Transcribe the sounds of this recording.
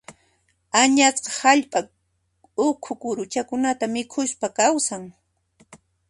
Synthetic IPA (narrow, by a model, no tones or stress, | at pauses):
aɲasqɑ̥haʎpʼa | ʊkʰʊkʊɾʊt͡ʃakʊnat̪amɪkʰʊspakawsaŋ